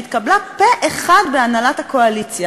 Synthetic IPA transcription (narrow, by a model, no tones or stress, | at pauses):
it̪kablapeʔeχadbeanalathakoalit͡sja